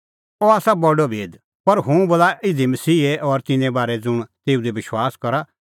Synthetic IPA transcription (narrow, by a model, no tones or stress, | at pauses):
ɔaːsabɔɖɔbʱeːd̪ | pɐɾɦũboːlaʔɪd̪imɐsiːeʔɔɾt̪ɪnɛ̃baːɾɛd͡zʊɽ̃t̪eːud̪ibɪʃwaːskɐɾa